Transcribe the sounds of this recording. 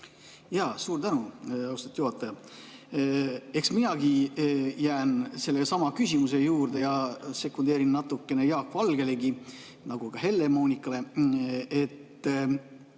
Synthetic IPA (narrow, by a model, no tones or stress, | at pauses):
jɑːsuːɾt̪ænuɑwst̪ɑ̥t̪ːjuɦɑt̪ːˑɑjɑ | e̞ksminɑɡ̥ijæːnse̞lːesɑmɑkysʲimus̬e̞juːɾd̪e̞jɑse̞kːˑund̪̥e̞ːɾinːɑt̪ːˑukːe̞ne̞jɑːkːvɑlɡ̥e̞le̞ɡi | nɑɡ̥uɡ̥ɑɦe̞lːe̞moːnʲikːˑɑle̞ | et̪ː